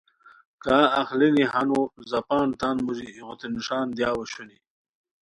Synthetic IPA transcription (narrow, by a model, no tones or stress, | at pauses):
kaːaxlinihanuzapaːnt̪aːnmuʑiːɣʊt̪eniʂaːnd̪jaːwɐɕuni